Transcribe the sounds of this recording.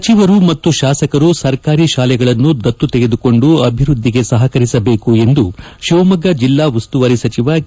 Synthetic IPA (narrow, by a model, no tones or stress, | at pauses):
ɐt͡ʃiʋɐɾumɐt̪ːuʃaːsɐkɐɾusɐɾkaːɾiʃaːlɛɡɐɭɐnːud̪ɐt̪ːut̪eɡe̞d̪uko̞ɳɖuɐbʱiɾud̪ʱːiɡe̞sɐɦɐkɐɾisɐbe̞ːkue̞nd̪uʃiːmɐɡɐd͡ʒilːaːʋust̪uʋɐɾisɐt͡ʃiʋɐ